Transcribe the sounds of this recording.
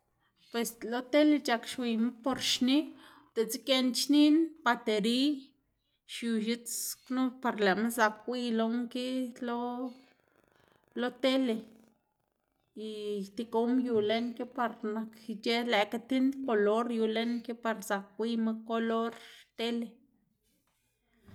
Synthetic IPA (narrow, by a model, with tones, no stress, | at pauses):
pwe˧slo˦t̪e˦le˧t͡ʃa˧kʃwi˧ma˦po˧ɾʃni˦ | t̪e˨t͡si˦ke˧nt͡ʃni˦npa˧t̪e˨ɾi˦ | ʃju˧˨ʃi˦t͡snu˦pa˧ɾle˨me˦za˧kwʷi˦lo˦ŋki˦lo˦ | lo˦t̪e˦le˨ | i˨t̪i˧ko˦mju˨le˦nke˦pa˧ɾna˨kt͡ʃe˦le˨ka˧t̪i˦nd̪ko˧lo˦ɾju˧le˦nke˦pa˧ɾza˨k̚wi˧ma˦ko˧lo˦ɾt̪e˦le˨